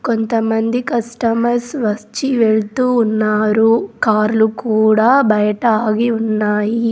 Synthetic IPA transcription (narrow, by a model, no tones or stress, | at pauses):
kont̪ɐmɐnd̪ikɐsʈɐmɐɾsʋɐst͡ʃiʋeɭt̪uːnːaːɾukaːɾlukuːɽaːbɐjɐʈɐːɡiunːaːji